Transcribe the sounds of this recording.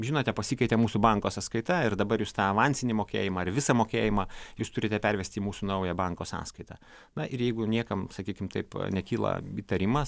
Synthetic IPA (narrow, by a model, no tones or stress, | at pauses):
ʒʲɪnoːt̪ʲɛpɐsʲikɐɪt̪ʲɛmuːsubɐŋkoːsɐskɐɪt̪ɐɪrd̪ɐbɐɾjuːst̪ɑːɐʋɑnʲsʲɪnʲimoːkʲḛːjɪmɑːɪɾʋʲɪsɐmoːkʲeːjɪmɑːjuːst̪ʊɾʲɪt̪ʲɛpʲɛɾʲʋʲɛsʲt̪ʲiːmuːsunɐʊjɛbɐŋkoːsɑ̰ːskɐɪt̪ɑ̰ | nɐʔɪɾjɛɪɡʊnʲiɛkɐmsɐkʲiːkʲɪmt̪ɐɪpnʲɛkʲiːlˠɐ̰iːt̪ɐɾʲɪmɐs